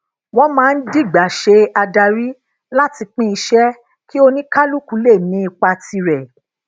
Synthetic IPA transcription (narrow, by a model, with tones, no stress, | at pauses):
wɔ̃˦mãː˦˧n̩˦di˦˨ɡ͡ba˨ʃe˧a˧da˧ɾi˦ | la˦ti˧k͡pĩ˦i˧ʃɛ˦ | ki˦o˧nĩ˦ka˦lu˦˨ku˨˦le˦˨nĩ˨˦i˧k͡pa˧ti˧ɾɛ˨